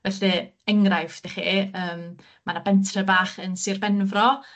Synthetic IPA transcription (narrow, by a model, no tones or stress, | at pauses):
vɛɬɨɛŋrajfd̥ɛχiːəːm | manabɛntʰrəbaːχənsɨrbɛnvrɔ